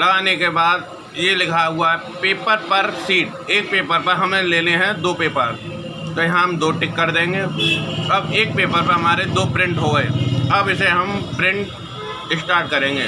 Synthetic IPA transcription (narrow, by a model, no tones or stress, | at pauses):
lɐɡaːnekebaːd̪̚ | jelɪkʰaɦʊaɦɛ | peːpəɾpɐɾsiːʈ | eːk̚peːpəɾpɐɾɦɐmẽleːneɦɛ̃d̪oːpeːpəɾ | t̪ojɐɦãɦɐmd̪oːʈɪkːəɾd̪ẽːŋɡeːɐbeːk̚peːpəɾpɐɾɦɐmaːɾed̪oːpɾɪ̃ɳʈɦoeːɐbɪseɦɐmpɾɪ̃ɳʈ | ɪsʈaːɾʈ̚kɐɾẽːŋɡeː